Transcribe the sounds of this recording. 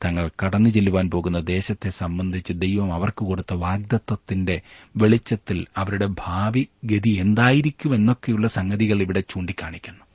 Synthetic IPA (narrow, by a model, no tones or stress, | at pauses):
t̪ɐŋːɐɭkɐɽɐnːɨt͡ɕe̞lːuʋaːnpo̞ːɣunːɐd̪e̞ːɕɐt̪ːe̞sɐmbɐnd̪ʱit͡ɕːɨd̪ejʋɐmɐʋɐrkɨko̞ɽut̪ːɐʋaːɡ̚d̪ɐt̪ːɐt̪ːinde̞ʋe̞ɭit͡ɕːɐt̪ːilɐʋɐɾuɽe̞bʱaːʋiɡed̪ie̞nd̪aːjiɾikʲːume̞nːo̞kːe̞juɭːɐsɐŋɡɐðiɣɐɭiʋiɽe̞t͡ɕuːɳɖikʲːaːɳikʲːunːu